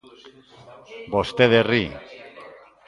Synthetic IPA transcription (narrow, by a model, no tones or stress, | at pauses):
bost̪eðeri